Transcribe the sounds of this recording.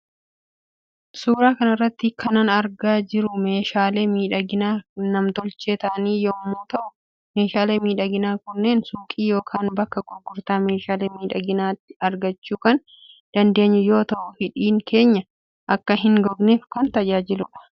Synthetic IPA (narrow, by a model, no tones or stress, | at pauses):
suːɾaːkɐnɪrːɐt̪ːɪkʰɐnɐnɐɾɡaːd͡ʒɪɾʊme̞ːʃaːleːmiːᶑɐɡɪnaːnɐmt̪ɔlt͡ʃeːt̪ɐːniːjɔmːoːt̪ɐʔʊ | me̞ːʃaːleːmiːᶑɐɡɪnaːkʊnːe̞ːnsuːkʼiːjo̞ːkʰaːnbɐkːɐɡɔɡːʊɾt̪aːme̞ːʃaːleːmiːᶑɐɡɪnaːt̪ːɪ̥ɐɾɡɐt͡ʃːuːkɐn | d̪̥ɐnd̪e̞ːɲːʊjo̞ːt̪ɐʔʊfɪᶑiːŋkʰe̞ːɲːɐ | ʔɐkːɐɦɪŋɡɔbneːfkɐnt̪ɐd͡ʒaːd͡ʒɪlʊᶑɐ̥